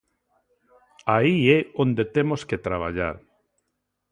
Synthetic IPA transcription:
aiɛond̪et̪emosket̪ɾaβ̞a̰ʎa̰ɾ

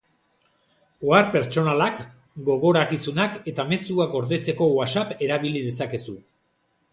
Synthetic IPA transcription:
oaɾpe̞ɾt͡ʃo̞nalak | ɡo̞ɣo̞ɾakisunake̞t̪ame̞suakɡo̞ɾðe̞t͡se̞ko̞wasape̞ɾaβ̞ilið̞e̞sake̞su

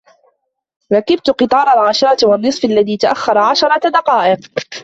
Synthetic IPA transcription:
ɾˤɑkɪb̚t̪qɨt̪ˤɑːɾˤalʕaʃɑɾˤɑt̪wanːɨsˤfʔalːaðiːt̪aʔaxːɑɾˤɑʕaʃɑɾˤɑd̪ɑqɑːʔɪq

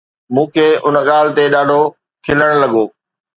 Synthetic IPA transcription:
mũːkʰeːʔʊnɠaːlɪt̪eɗaːɖʱo | kʰɪləɽ̃lɐɠoː

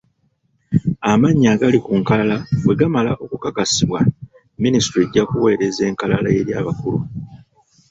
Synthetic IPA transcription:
amaɲːaːɡalikuŋkalalawe̞ɡamalaʔo̞kukakasiβwa | ministɾieɟːakuwe̞ːɾe̞ze̞ːŋkalalae̞ɾjaːβakulu

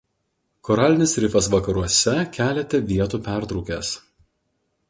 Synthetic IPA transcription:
kɔɾɑːlʲɪnʲɪsɾʲɪfɐs̬ʋɐkɐɾuɔsʲɛkʲæːlʲɛt̪ʲɛʋʲiɛt̪uːpʲæˑɾt̪ɾɔʊkʲḛs

